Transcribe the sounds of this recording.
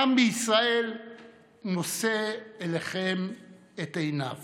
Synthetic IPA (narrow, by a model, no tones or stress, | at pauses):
ambeisʁae̞l | no̞seeleχem | etejna̰v